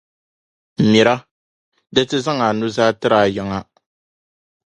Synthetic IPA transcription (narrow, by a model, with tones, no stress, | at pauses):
m̩˨mi˨ɾa˦ | dɨ˦tɨ˦za˦ŋa˨nu˦zaː˦tɨ˦ɾa˨jɪ˦ŋa˦